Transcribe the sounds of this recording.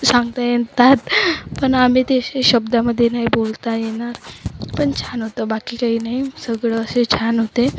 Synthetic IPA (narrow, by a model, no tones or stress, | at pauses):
sãŋɡt̪ajent̪at̪pəɳam̤it̪eɕeɕəbd̪aməd̪ʱːjenaɦibolt̪ajeɽ̃aɾpəɳt͡ɕʰanɦot̪abakiːkaɦiːnaɦisəɡɭəːset͡ɕʰanɦot̪e